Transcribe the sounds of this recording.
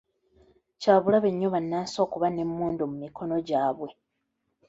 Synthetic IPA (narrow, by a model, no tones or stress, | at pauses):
caːβulaβeɲːoβanːaːso̞ːkuβane̞mːuːndumumikʰo̞no̞ɟaːβwe